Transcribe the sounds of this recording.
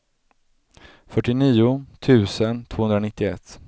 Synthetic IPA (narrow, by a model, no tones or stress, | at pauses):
fœʈːɪniːʊt̪ʰʉ̟ːsənt̪ʰvoːhɵnd̪ɾanɪt̪ːɪɛ̰t̪ː